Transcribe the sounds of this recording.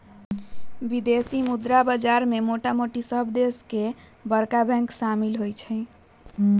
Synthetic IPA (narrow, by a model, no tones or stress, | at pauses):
bid̪esimud̪ɾabəd͡ʒaɾmemoʈamoʈisəbʱd̪eske | bəɾkabʱɛ̃ŋksamilɦojt͡ʃʰəɪ